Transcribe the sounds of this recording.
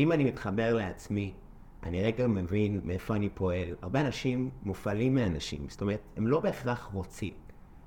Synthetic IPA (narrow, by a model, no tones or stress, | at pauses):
imanimit̪χabe̞ʁleat͡smi | ʔa̰niʁeɡamevinmeefo̞anipʰo̞e̞la̰ʁbeanaʃimːufalimːianaʃḭmsto̞meʁethemlo̞beafʁaχmot͡sḭm